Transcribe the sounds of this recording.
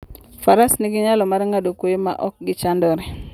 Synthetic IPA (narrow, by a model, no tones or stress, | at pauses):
faɾasniɡɪɲalɔmaɾŋadokojema̰ʔɔk̚ɡɪt͡ʃandɔɾɛ